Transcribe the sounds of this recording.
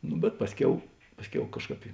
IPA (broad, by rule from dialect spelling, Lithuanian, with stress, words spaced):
nʊ bʲɛt ˈpɑːsʲˌkʲɛʊ ˈpɑːsʲˌkʲɛʊ ˈkɑːʃˌkɑːp ɪ